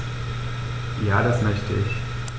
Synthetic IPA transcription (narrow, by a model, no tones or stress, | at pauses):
jaːdasmœçtəʔɪç